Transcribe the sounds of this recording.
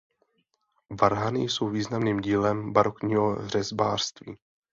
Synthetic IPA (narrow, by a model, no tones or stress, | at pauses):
vaɾɦanɪjso̞wviːznamniːmɟiːlɛmbaɾo̞kɲiːɦor̝ɛzbaːr̥st̪vḭː